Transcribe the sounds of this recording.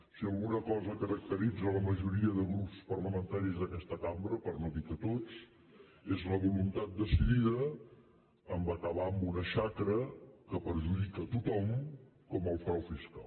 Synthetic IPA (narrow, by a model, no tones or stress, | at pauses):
siəlˠɣunəkɔzəkəɾək̚t̪əɾid͡zələməʒuɾiəðəɣɾupspərləmənt̪aɾizðəkɛst̪əkambɾəpəɾnoðikət̪ot͡s | ezləβulunt̪at̪̚d̪əsiðiðəː | mbakəβambunəʃakɾəkəpəɾʒuðikət̪ut̪ɔm | kɔməlˠfɾawfiska̰l